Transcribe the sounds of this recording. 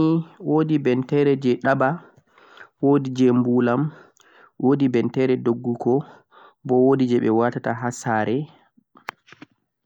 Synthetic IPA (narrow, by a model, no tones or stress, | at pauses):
iwodibɛntɛɾɛd͡ʒɛɗaba | wodid͡ʒɛmbulam | wodibɛntɛɾɛdoɡːuɡɔ | bɔwodid͡ʒɛɓɛwatataɦasaɾɛ